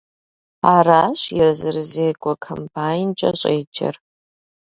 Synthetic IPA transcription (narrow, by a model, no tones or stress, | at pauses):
aːraːɕjɛrzɨrzeːɡʷʼɔkʰɐmpʰaːjint͡ʃʼɐɕʼeːd͡ʒɐ̰r